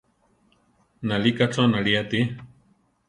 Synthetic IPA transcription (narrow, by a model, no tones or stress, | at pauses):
nalikat͡sonaliat̪i